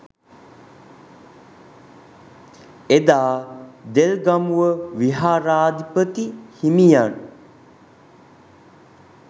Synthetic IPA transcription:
ed̪aːd̪elɡamuʋəʋiɦaːɾaːd̪ipət̪ihimijan

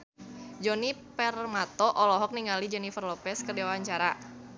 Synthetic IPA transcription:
d͡ʒɔnipɛrmat̪ɔʔɔlɔɦɔk̚niŋalid͡ʒɛnifərlɔpɛskərdewaɲt͡ʃaɾa

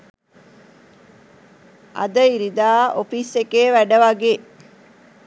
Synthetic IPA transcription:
ʔɐ̰d̪əiɾid̪aːofisekeːʋæɖəʋaɡeː

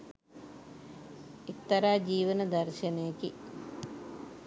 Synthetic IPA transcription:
ikt̪ɐɾaːd͡ʒiːʋɐnɐd̪ɐɾʃɐnɐjɐki

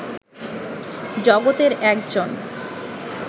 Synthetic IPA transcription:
d͡ʑɔɡot̪eɾɛkd͡ʑon

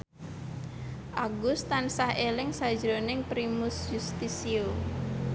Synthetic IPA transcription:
ʔaɡʊst̪ansahelɪŋsḁd͡ʒɾonɪŋpɾimʊsd͡ʒust̪isio

